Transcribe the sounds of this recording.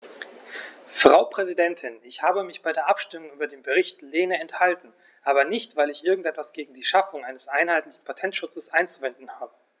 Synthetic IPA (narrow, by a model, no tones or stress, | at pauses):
fʁ̥aʊpʁ̥ɛzidɛntʰɪnɪçhaːbəmɪçb̥aɪdeːɐʔapʃtɪmʊŋʔyːbɐdeːnbəʁɪçtleːnəɛnthaltn̩ | ʔaːbɐnɪçtv̥aɪlɪçʔɪɐɡŋ̩tʔɛtv̥asɡ̥eːɡŋ̩diːʃafʊŋʔaɪnəsʔaɪnhaɪtlɪçn̩pʰatʰɛntʃʊt͡səsʔaɪnt͡suvɛndn̩haːbə